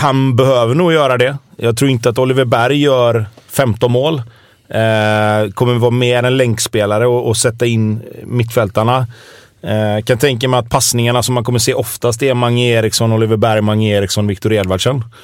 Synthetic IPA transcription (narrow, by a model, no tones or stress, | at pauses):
hanbɛhøːvəɳuːjœːɾad̪ɛjɑːɡt̪ʰɾuːɾɪnt̪əat̪ɔlɪvəbæɾjːœːɾfɛmt̪ɔnmoːl | kʰɔmːəvɑːɾmeːɾɛnlɛŋkspeːlaɾəɔɔsɛt̪ːaɪnːmɪt̪ːfɛlt̪aɳa | kʰant̪ʰɛŋkamɛɪat̪̚pʰasnɪŋaɳasɔmːankʰɔmːəʂeːʔɔft̪ast̪ɛmaŋːeːɾɪksɔnɔlɪvəbæɾjmaŋːeːɾɪksɔnvɪkt̪ʊɾeːd̪vaɖʂən